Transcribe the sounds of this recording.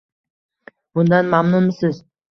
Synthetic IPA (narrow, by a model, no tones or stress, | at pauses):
b̥ʊnd̪anmamnʊmɪsɪz